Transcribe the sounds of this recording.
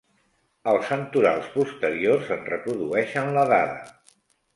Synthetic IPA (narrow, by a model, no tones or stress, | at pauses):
əlˠsənt̪uɾa̰lˠspust̪əɾiorzənrəpɾuðuɛʃənləðaðə̰